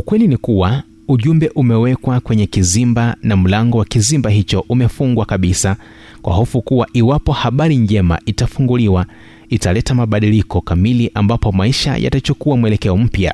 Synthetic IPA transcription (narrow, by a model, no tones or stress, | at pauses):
ukwɛlinikuwa | uʄumbɛʔumɛwɛkwakwɛɲɛkizimbanam̩laŋɡɔwakizimbaɦit͡ʃɔʔumɛfuŋɡwakaɓisa | kwʔa̰hɔfukuwaʔiwapɔhaɓaɾiɲd͡ʒɛma̰ʔitafuŋɡuliwa | italɛtamaɓaɗilikɔkamiliʔambapɔmaiʃa̰jʔa̰tat͡ʃukuamuɛlɛkɛɔm̩pja̰